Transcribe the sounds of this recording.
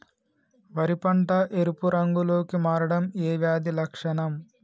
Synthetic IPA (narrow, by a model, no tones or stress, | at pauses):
ʋɐɾipɐɳʈɐʔeɾupuɾɐŋɡuloːkimaːɾɐɽɐmeːʋjaːd̪ilɐkʂɐɳɐm